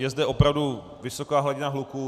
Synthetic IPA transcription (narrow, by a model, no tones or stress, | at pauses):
jɛzdɛʔo̞pɾavdu | vɪso̞kaːɦlaɟɪnaɦlukuː